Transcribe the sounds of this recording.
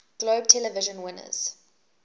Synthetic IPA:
ɡ̥loːb̚tʰɛləvɪʒə̃nwɪnə̰z̥

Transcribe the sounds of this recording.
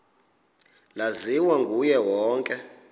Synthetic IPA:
laziwaŋɡʱujɛwɔːŋkʼɛ

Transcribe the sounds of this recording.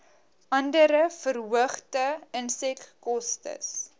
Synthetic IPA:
ʔɐndəɾəfərɦuəχtəənsɛkːɔstə̰s

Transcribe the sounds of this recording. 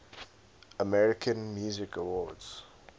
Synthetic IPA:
əmɛɹɪkʰə̃nmjuːzɪkəwɔdz̥

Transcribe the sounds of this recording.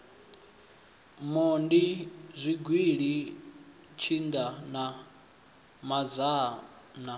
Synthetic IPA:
mɔndizʷiɡwiɺi | t͡ʃʰind̪ana | mad͡za | na

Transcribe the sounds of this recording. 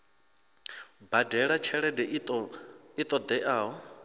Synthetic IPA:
badɛɺat͡ʃʰɛɺɛdɛ | it̪ʼɔd̪ɛʔaːɔ

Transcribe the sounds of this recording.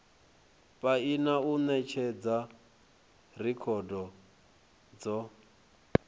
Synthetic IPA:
pʼainaunɛt͡ʃʰɛd͡za | r̤ikʰɔdɔ | d͡zɔ

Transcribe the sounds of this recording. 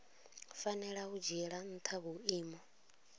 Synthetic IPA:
fanɛɺaud͡ʒɛɺan̩t̪ʰaβuiːmɔ

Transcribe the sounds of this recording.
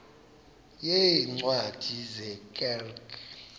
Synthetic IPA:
jeiŋ͡ǀwad̥ʱizɛkʼɛlk

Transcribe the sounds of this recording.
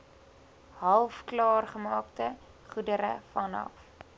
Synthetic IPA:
hɐlˠfklɑːrχəmɑːktə | χudəɾə̰fɐnɑ̰f

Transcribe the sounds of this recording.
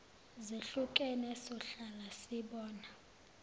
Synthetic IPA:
zeɬukʼɛnɛsɔɬalasiɓɔːna

